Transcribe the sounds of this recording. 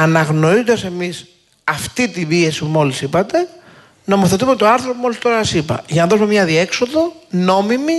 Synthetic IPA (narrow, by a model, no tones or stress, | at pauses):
ɐnɐɣno̞ɾizond̪ɐse̞mis | ɐft̪it̪ibie̞sipumo̞lisipɐt̪e̞ | no̞moθe̞t̪umet̪oɐɾθɾopumo̞list̪o̞ɾɐsɐsipɐ̰ʝɐnɐðo̞sumemɲɐðie̞kso̞ðo̞no̞mimi